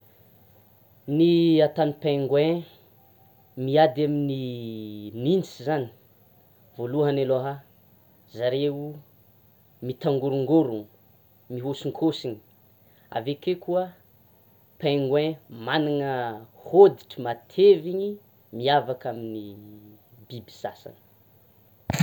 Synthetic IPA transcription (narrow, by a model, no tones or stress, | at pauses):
niat̪anipaŋɡwɛ̃ | miad̪amini | mint͡sizani̥ | voluɦaneloɦa | zaɾeu | mit̪aŋɡuɾuŋɡoɾuŋ | miɦusiŋkʰosiɲi̥ | a̰vekekuə | paŋɡwɛ̃maniŋəhod̪iʈ͡ʂəmat̪ʰeviɲi | miavakamini | bibi̥sasa̰nə̥